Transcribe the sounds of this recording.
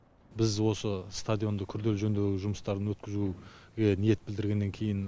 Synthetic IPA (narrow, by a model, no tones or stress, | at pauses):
bɪzwo̞səst̪ad̪ʲjo̞nd̪əkʲʰʏɾd̪e̞lʒɵnd̪e̞ɡʲɪʒʊməst̪ɑɾd̪ənwɵt̪kʲɪzuɡʲe̞nije̞t̪bɪld̪ɪɾɡʲe̞nːe̞ŋkʲʰe̞jɪn